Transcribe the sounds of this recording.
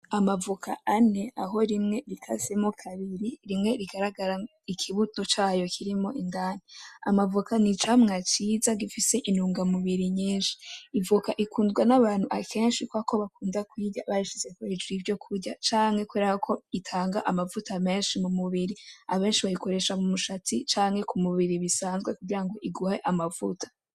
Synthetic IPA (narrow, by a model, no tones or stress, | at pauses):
amavukʰa̰ane̞aɦo̞ɾimŋe̞ɾikʰa̰zemokʰaβiɾiɾimŋe̞ɾiɡaɾaɡaɾa | ikʰiβutot͡ʃaːjo̞kʰiɾimo̞ʔindaːnia̰mavukʰanit͡ʃamŋat͡ʃizaɡifise̞ʔinuːŋɡamuβiɾiɲiːnʃi̥ːvukaʔikuːndɡwanaβaːn̥huʔakʰe̞ːnʃikwako̞βakuːndakwiːɟa̰βaɾiʃizekwed͡ʒwivjo̞kʰuɾɟat͡ʃaːŋhe̞kweɾahakʰo̞itʰaːŋɡaʔamavutame̞ːnʃimumuβiɾiaβe̞ːnʃiβajiko̞ɾe̞ʃamumuʃat͡sit͡ʃaːŋhe̞kumuβiɾiβisaːnzɡwekuɡiɾaŋɡo̞ʔiɡuhe̞ʔamavutʰḁ